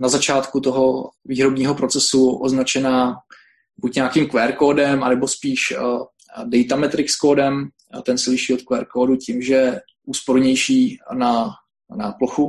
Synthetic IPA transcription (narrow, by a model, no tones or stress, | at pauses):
nazat͡ʃaːt̪kut̪oɦo̞viːɦɾobɲiːɦo̞pɾo̞t͡sɛsuʔoznat͡ʃɛnaː | bucɲakiːmkvɛːɾkoːdɛmʔanɛbo̞spiːʃ | dɛjt̪amɛt̪ɾɪkskoːdɛm | t̪ɛnsɛlɪʃiːot̪kvɛːɾkoːducɪmʒɛ | ʔuːspo̞ɾɲɛjʃiːna | naploxu